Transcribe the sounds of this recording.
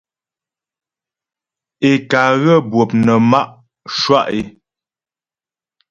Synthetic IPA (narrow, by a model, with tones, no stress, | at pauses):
e˨ka˨ɣə˦bwo˨p̚nə˨ma˦ʔ | ʃwa˦˨ʔe˨